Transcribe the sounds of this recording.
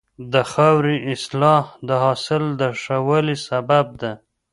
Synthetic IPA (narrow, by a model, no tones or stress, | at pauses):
d̪əxawɾiʔɪslɑhd̪əɦɑsɪld̪əʂawəlisabab̚d̪a